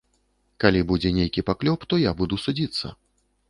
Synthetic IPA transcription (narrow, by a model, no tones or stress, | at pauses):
kalʲibud͡zʲɛnʲejkʲipaklʲɔpt̪ɔjabud̪usud͡zʲit̪sːɐ̰